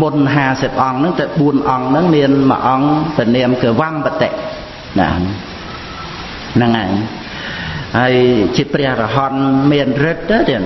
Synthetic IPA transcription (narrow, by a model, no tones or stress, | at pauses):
munɦaːsəp̚ʔɑŋnɨŋt̪awɓuənʔɑŋnɨŋmiənmə̰ʔɑŋpɛənɛəmkəəʋampət̪eʔ | na̰ | nɨŋʔaɛŋ | haəjt͡ɕiəprɛ̆əhrɑɦɑnmiənrɨt̪̚ːat̪ɨŋ